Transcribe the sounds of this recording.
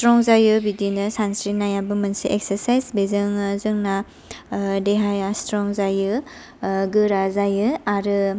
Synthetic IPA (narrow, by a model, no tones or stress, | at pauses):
stɾɔŋzajɯbidinɯsansɾinajabɯmɐnsiʔek̚sɐɾsajsbezɯŋɯzɯŋna | deɦajastɾɔŋzajɯ | ɡɯɾazajɯaɾɯ